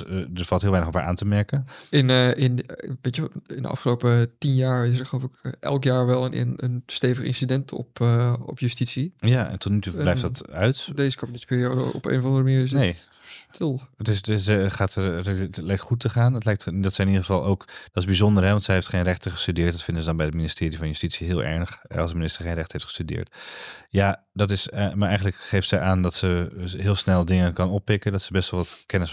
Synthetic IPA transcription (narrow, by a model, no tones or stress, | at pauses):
dəɹfɑlˠtɦɪlʋɛjnəχɔpha̰ːɹʔa̰ːntəmɛɹkənɪnɪnʋejtɪ̰ndə̰ʔɑ̰fχəlowpətinjaːɹɪs̬əɹχəlowfɪkʔɛ̰lˠkjaːɹʋɛlˠənɪnə̰nstejvəχɪ̰nsidɛntʰɔ̰pɔ̰pjystitsijaɛ̰ntʰɔtnytublɛjftdɑtœɥtdeːzəkomənɪtspɪːɾiowdəɔ̰pḛjnəvɑ̃ndərəməniːs̬nejstʰɪlˠətɪsχaːtəlɛjktχutəχaːnətlɛjk̚tdɑtsəɪnidəχəvɑlˠowkd̥ɑtɪzbizɔndəɹɦɛʋɑntsɛjɦejftχejnrɛχtəχə̥stydɪːɹt̚dɑtfɪndəzədɑnbɛjətminɪstɪːɾivɑnjəstitsiɦɪːlˠʔɛ̰ɹnəχɑ̰lˠsdəminɪstəɹχejnrɛχtə̥ɦejftχə̥stydɪ̰ːɹtjaː | dɑtɪsəmaːɹɛjχən̩ləkχejftsɛjʔaːndɑtsəɦɪːlˠsnɛlˠdɪŋənkɑnɔpːɪkəndɑtsəbɛstʋɛlˠʋɑtkɛnəs